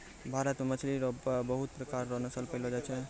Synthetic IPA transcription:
bʱaɾət̪memət͡ʃʰliɾɔbəɦut̪̚pɾəkaɾːɔɦnəsəlpəɪlɦɔd͡ʒat͡ʃʰɛ

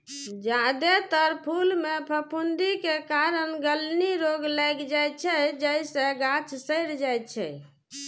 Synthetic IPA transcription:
d͡ʒad̪et̪əɾpʰulmepʰəpʰund̪ikekaɾənɡəlniɾoɡləɡd͡ʒajt͡ʃʰɛd͡ʒəjsẽɡat͡ʃʰsəɪɾd͡ʒajtt͡ʃʰɛ̰

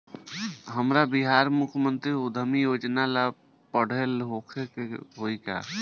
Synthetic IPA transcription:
ɦəmɾabiɦaɾmukʰmənt̪ɾiud̪ʱəmijod͡ʒnala | pəɽ̤elɦokʰekeɦoika̰

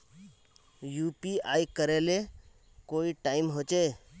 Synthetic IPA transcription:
juːpiaːjkəɾele | koːiʈaːɪmɦoːt͡ʃeː

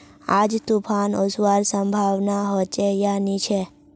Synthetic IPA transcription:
ad͡ʒt̪upʰanɔswaɾsəmbʱaʋnaɦɔt͡ʃejanit͡ʃʰe

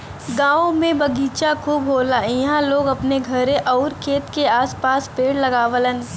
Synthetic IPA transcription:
ɡãːomẽbɐɡiːt͡ʃakʰuːbɦoːlaɪɦãloːɡɐpneɡʱɐɾẽʔɔːɾkʰeːt̪keaːspaːspeːɽlɐɡaːʋələn

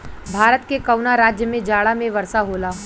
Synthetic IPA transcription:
bʱaːɾət̪kekɐʊnaɾaːd͡ʒjəmẽd͡ʒaːɽamẽʋɐɾsaɦoːlaː

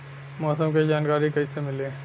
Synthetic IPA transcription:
mɔːsəmked͡ʒaːnkaːɾikɐisemɪlẽː

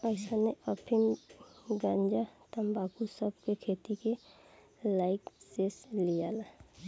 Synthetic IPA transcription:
əɪsaneəpʰɪm | ɡãɲd͡ʒat̪əmbaːkusəbkekʰeːt̪ike | laːɪkseslijala

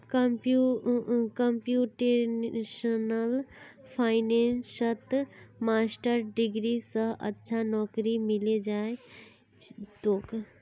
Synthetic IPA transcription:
kmpukəmpjuʈeʃənəlpʰaːɪnensət̪maːsʈəɾɖiɡɾisəɦə̰tːʃʰanɔːkɾimiled͡ʒaːe | t̪oːk

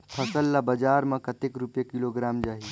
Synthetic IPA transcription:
pʰəsəlːabəd͡ʒaːɾmə̃kət̪ekɾupjekiloɡɾaːmd͡ʒaːɦi

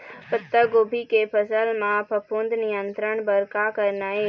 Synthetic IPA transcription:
pət̪ːəɡoːbʱikepʰəsəlmãpəpʊnd̪nɪjənt̪ɾəɳbəɾkakəɾnaːeː

